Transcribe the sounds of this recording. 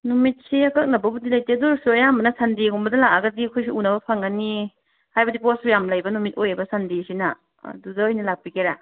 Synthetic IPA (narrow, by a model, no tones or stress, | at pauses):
numit̚siɐkɐk̚nɐbɐbudilɐjteduɾsuɐjambɐnɐsandiɡumbɐdɐlak̚aɡɐdiɐkʰojsiunɐbɐpʰaŋani | hajbɐdiposɾujamlɐjbɐnumit̚ojajbɐsʰɐndisinɐ | ɐ̰dudɐːjnɐlak̚pikeɾa